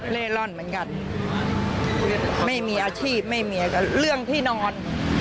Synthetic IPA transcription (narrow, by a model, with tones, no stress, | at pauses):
leː˥˩lɔ˥˩nmɯ˩˦ə˦nka˧n | ma˥˩jmiː˧ʔaː˧t͡ɕʰiː˥˩p̚ma˥˩jmiː˧a˧˩ka˥˩ɾɯ˥˩əŋt̪ʰiː˥˩nɔː˧n